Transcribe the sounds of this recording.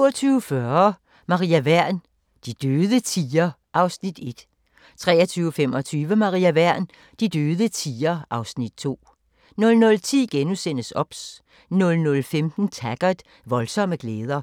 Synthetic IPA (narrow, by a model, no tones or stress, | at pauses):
ɐt͡sʰyːʊfɶɐ | mɑ̈ʁiæʋæɐ̰n | d̥id̥øːðˠət͡sʰiːɐ | ʔɑ̈ʊsnid̥e̝d̥ | t͡sʰʁɛ̰ːɐt͡sʰyːʊfemɒ̽t͡sʰyːʋəmɑ̈ʁiæʋæɐ̰n | d̥id̥øːðˠət͡sʰiːɐʔɑ̈ʊsnid̥t͡sʰo̝̰ː | nɔ̽lnɔ̽lt͡sʰḭːɡ̥enusen̰əsɒ̽b̥s | nɔ̽lnɔ̽lfemd̥n̩t͡sʰæɡ̥ɐd̥ | ʋɒ̽lsɒ̽məɡ̥leːð̞ˠɐ